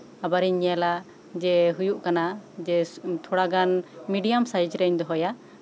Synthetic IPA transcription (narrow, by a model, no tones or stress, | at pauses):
abaɾɛɲala | d͡ʒɛɦujuʔkanad͡ʒɛt̪ʰɔɽaɡanmiɖijamsajd͡ʒɾɛɲd̪ɔɦɔja